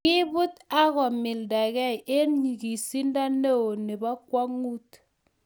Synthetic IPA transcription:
i˦bu˦ta˦kɔ˨mi˨lda˨kɛ˦˨e˦nɲi˨ki˨si˦n˦da˦ne˦o˨ne˨ba˦kwa˦ŋu˦t

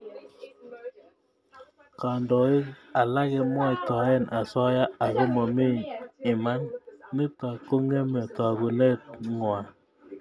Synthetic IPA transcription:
ka˨ndɔ˨i˦a˨la˦ɣɛ˨mwa˦i˨tɔ˨˦ɛ˦˨nʔa˨sɔ˦ja˦a˨ko˦mɔ˨mi˦ɪ˨ma˦nːi˦ta˨ko˦ŋe˦mɛ˨ta˨ku˨ne˦t̚ŋwa˨

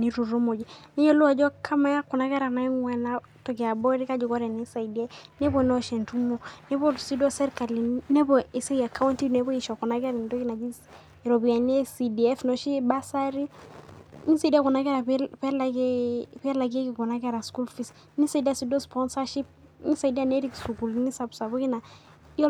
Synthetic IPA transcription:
ni˦ɾu˨ɾu˦mo˨d͡ʒi˨ni˦jɔ˦lu˦a˨d͡ʒɔ˦kʰa˦ma˨˦ja˦ku˨na˨˦ɡɛ˦ɾa˨na˨˦ŋwɛ˨na˦ | tɔ˨ki˨a˨bɔ˦ɾi˦ka˦d͡ʒɔ˨kɔ˦ɾɛ˨ni˦sa˨idi˨a˦nɛ˦bɔ˨nɔ˦ʃi˨ntu˦monɛ˦bɔ˦si˦dɔ˦sɛ˦ɾka˨li˨nɛ˦bɔ˨i˨se˦ja˨kʰa˦wnti˦nɛ˦bɔ˦i˨ʃɔ˨ku˨na˦ɡɛ˦ɾi˨n˨dɔ˦ɡi˦na˨d͡ʒi˦ | ɾɔ˨bi˨a˨ne˦si˨di˨ɛ˦fnɔ˨ʃi˦ba˦sa˦ɾi˦ | ni˦sa˨di˦a˦kɔ˨na˦ɡɛ˦ɾa˨pla˨ɡe˦pi˦ɛ˦la˨ɡi˦e˦ki˨kɔ˨na˦ɡɛ˦ɾa˨sku˦lfis | ni˦sa˨di˦a˦si˦do˦spɔ˦nsa˦ʃi˦p̚ | ni˦sa˨ida˦ne˦ɾi˦ksu˨ku˨lni˦sa˨bsa˨bɔ˦ki˦na˨˦

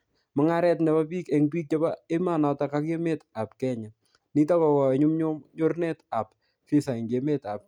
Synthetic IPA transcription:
mɔ˨˦ŋa˦ɾɛ˦tnɛ˨ba˦pi˦ke˨ŋɡɾi˦k̚ɲɔ˦bae˦ma˦nɔ˨ta˨ka˦ke˦me˦ta˨p̚kɛɲa | ni˦ta˦kɔwɔ˨ɲu˦mɲoɲo˦ɾne˦ta˨p̚ | fi˦sa˨iŋɡeme˦ta˨p̚

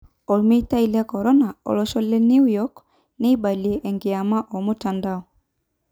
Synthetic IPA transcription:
ɔ˨lmi˦ta˦i˦lɛ˦kɔ˨ɾɔ˦na˨ɔ̰˨lɔ˦ʃɔ˦lɛ˦ni˦ujɔk | ne˦iba˨lie˨ʔɛ˨ŋɡɪ˨a˨ma˦ʔɔ˨mu˦tandaɔ˨

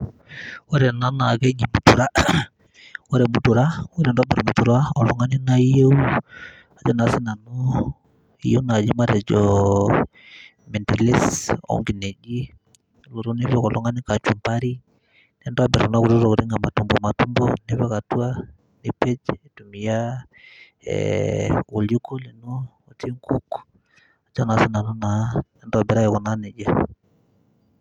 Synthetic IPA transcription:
wo˦ɾɛ˨na˦na˨ke˦ɲi˨mu˨˦tu˨ɾa˦ | wo˦ɾɛ˨mu˦tu˨ɾa˦wo˦ɾe˨nda˦bɛ˨ɾɔ˨mu˨tu˨ɾa˦ɔ˨lɔ˨ŋa˦ni˦na˦i˦je˦u˦ | a˨d͡ʒɔ˦na˨˦si˦na˨nɔ˦ | ḭ˨je˦u˦na˨d͡ʒi˦ma˦ɾɛ˨d͡ʒɔ˨ | me˨ntɛ˨le˦sɔ̰˦ŋɡi˨ne˨d͡ʒi˦˨ | lo˨ɾo˦ne˦bjɔ˦˨kɔ˨lɔ˨˦ŋa˦ni˦ka˨t͡ʃu˨mpa˦ɾi˦ | nɛ˦nda˦bɛ˨ɾna˦ku˨ɾu˦ɾo˦ku˨ɾi˦ŋɡa˨ma˨tu˨mbɔ˨ma˨tu˦mbɔ˦ne˦βɛ˦ka˨tu˦a˦ | ne˨pe˦d͡ʒe˨tu˨mi˨ja˦ | ḛwu˨lju˦ko˦li˨no˦ | o˨ti˦ŋku˦k | a˨d͡ʒɔ˦na˨si˦na˨nɔ˦na˨˦ne˦ndɔ˦a˨bɛ˨ɾa˦jɛ˨kɔ˨na˦ne˨d͡ʒa˦

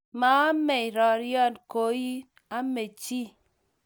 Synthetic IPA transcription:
ma˨˦a˦me˨i˨ɾɔ˨ɾjɔ˦˨nko˨˦ji˦ | a˦me˨t͡ʃi˦

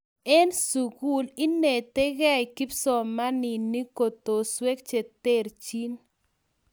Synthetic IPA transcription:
ɛ˦nsu˨ɡu˦li˦ne˨t̪e˦ɣɛ˦i˨ki˦psɔ˨ma˦ni˨ni˦ko˨t̪o˨swe˦kt͡ʃe˨t̪e˦˨ɾt͡ʃi˦n

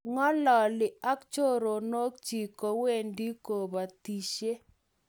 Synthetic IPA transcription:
ŋɔ˦lɔ˨lɪ˨a˦kt͡ʃo˦ɾo˨no˦k̚t͡ʃi˨ko˨we˦˨ndi˦ko˨ba˨ti˨ʃe˦

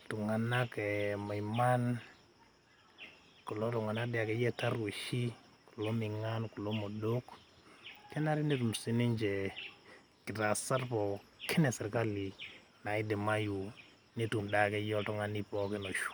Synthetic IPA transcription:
tu˨ŋa˨na˦kɛ˨ma˨ima˦n | ku˨lo˦tu˨ŋa˨na˦dɪ˨a˨kɛ˨jɛ˦ta˦ɾwu˨ʃi˦ | ku˨lo˦mi˨ŋa˦nku˨lo˦mo˨do˦k | kɛ˦na˦ɾi˦ne˦tu˨m˨si˦ni˦nd͡ʒe˨ | kɪ˨ta˨sa˦ɾpɔ˨ke˦nɛ˨sɛ˨ɾka˦li˨ | na˨i˦de˨ma˦ju˨ | ne˦tu˨mda˨kɛ˦jɔ˦tu˨ŋa˦ni˦pɔ˦ke˦no˨ʃ

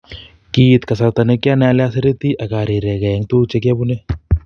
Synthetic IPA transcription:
ki˨t̪ka˨sa˨t̪a˨ne˦kja˦nɛ˦a˦lɛ˦a˦se˦ɾe˦t̪i˦ʔa˨ka˨ɾi˨ɾe˨ka˨ɛ˨˦ŋt̪u˦t͡ʃe˦k̬a˦bu˦ne˦

